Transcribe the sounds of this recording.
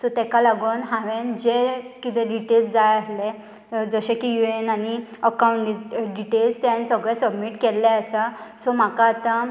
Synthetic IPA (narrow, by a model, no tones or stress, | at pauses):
sɔt̪ɛkalaɡunɦãʋẽnd͡ʑekit̪ɛ̃ɖiʈelsd͡zajəsle | d͡zəɕẽkijuenaniəkawuɳʈɖɖiʈelst̪ãnsəɡɭɛ̃səbmiʈkelːɛəsasɔm̤akaːt̪a